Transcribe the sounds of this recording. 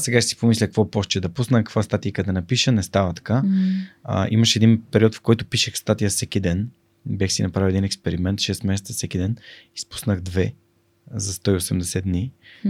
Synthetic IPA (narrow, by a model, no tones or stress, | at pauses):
sɛɡaʃɛsi̥pomislʲəkɐkvɔpɔʃt͡ʃɛd̪ɐpusnəkəkvast̪at̪ijəkəd̪ɛnɐpiʃənɛst̪avət̪ɐ̥ka̰ | ʔḭmɐʃɛd̪inpɛɾiɔt̪fkɔjt̪ʊpiʃəxst̪at̪ijəfsɛkid̪ɛn | bʲjaxsinɐpɾaviwɛd̪inɛkspɛɾimɛnt̪ʃɛst̪mɛsɛt̪səfsɛkid̪ɛni̥spu̥snəɣd̪vɛ | zɐst̪ɔiosɛmd̪ɛsɛd̪d̪ni